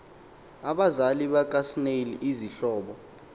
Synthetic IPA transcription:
aɓazaliɓak̬ʼasneliʔiziɬɔːɓɔ

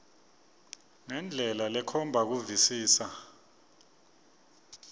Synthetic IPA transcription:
ŋɛnd͡ɮʱɛlalɛkʰɔmbʱak̬uvisiːsa

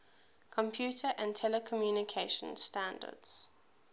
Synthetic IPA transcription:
kʰɔ̃mpʰjutʰəʔə̃ntʰɛləkʰɔmjuːnɪkʰeɪʃə̃nstãndə̰dz̥

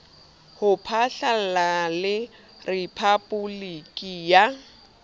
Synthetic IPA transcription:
hʊpʰaɬalalɪ | rɪpʰabulikʼija

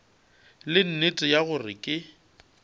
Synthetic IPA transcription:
lɪn̩netʼɪjaɣʊrɪ̰kʼɪ

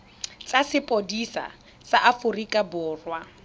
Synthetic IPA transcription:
t͡sasɪpʼodisa̰ | saʔafʊrikʼabʊːrwa

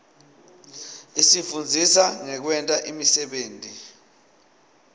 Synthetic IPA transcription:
isifund͡zʱisaŋɛk̬wɛntʼaʔimisɛɓeːntʼi

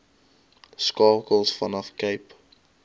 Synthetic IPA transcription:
skɑːkəlˠsfɐnɐfkəjp

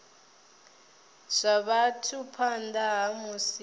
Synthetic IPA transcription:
ʂʷaβatʰupʰandaɦamusi

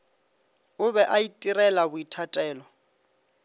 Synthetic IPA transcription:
ʊβɛʔaitʼirɛlabʊitʰatʼɛːlɔ

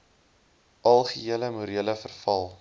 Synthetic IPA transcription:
ʔɐlˠχiiələmuɾiələfərfɐlˠ

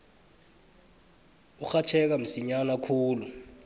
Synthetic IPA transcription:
uxat͡ʃʰɛk̬am̩siɲanakʰuːlu

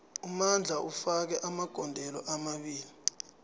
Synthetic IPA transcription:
umand͡ɮʱaʔufak̬ɛʔamaɡ̥ʱɔndʱɛlɔ̰ʔamaɓiːli

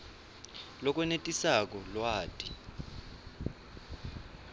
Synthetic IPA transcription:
lɔk̬ʼwɛnetʼisak̬ɔlwaːtʼi

